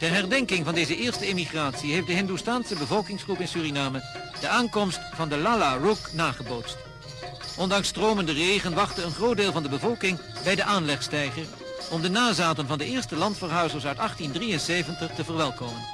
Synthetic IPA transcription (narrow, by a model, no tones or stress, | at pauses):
tɛrɦɛrdɛŋkɪŋvɑndejzəʔɪːɹstəemiχraːtsiɦejftdəɦɪndustaːnsəbəvɔlˠkɪŋsχrupɪnsyːrinaːmə | d̥əʔaːŋkɔmstfɑndəlaːlaruknaːχəbowtst | ʔɔndɑŋstroːməndərejχənʋɑχtəənχrowdeːlˠvɑndəbəvɔlˠkɪŋbɛjdəʔaːnlɛχstɛjχər | ɔmdənaːzaːtənvɑndəɪːɹstəlɑntfəɹɦœɥzəsœɥtɑχtindrijənsejvəntəχtəvərʋɛlˠkowmən